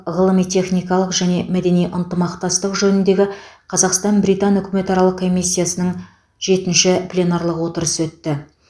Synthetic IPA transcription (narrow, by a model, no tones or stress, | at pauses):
ʁəlˠəmijt̪ʰʲe̞χnijkɑlˠəqʒæne̞mæd̪e̞nijʔənt̪əmɑqt̪ɑst̪əqʒɵnɪnd̪e̞ɡʲɪqʰɑzɑqst̪ɑnbɾijt̪ɑnʏkʲɪme̞t̪ɑɾɑlˠəqkʰːo̞mʲijsʲːijasənəɴ | ʒe̞t̪ɪnʃɪplʲe̞nɑɾlˠəqwo̞t̪əɾəsəwɵt̪ːɪ